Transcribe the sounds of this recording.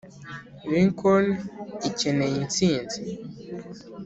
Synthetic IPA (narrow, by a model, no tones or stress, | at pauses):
βiŋkʰonicenejint͡siːnzi